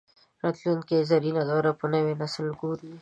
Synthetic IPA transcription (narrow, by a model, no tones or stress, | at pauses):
ɾɑt̪lunt̪̚kezaɾinad̪ɔɾapənəwenaslɡuɾi